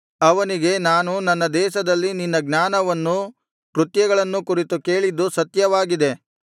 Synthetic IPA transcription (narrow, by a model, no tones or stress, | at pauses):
ɐʋɐniɡe̞naːnunɐnːɐd̪ɛːʃɐd̪ɐlːininːɐɡnaːnɐʋɐnːu | kɾut̪jɐɡɐɭɐnːukuɾit̪uke̞ːɭid̪ːusɐt̪jɐʋaːɡid̪e̞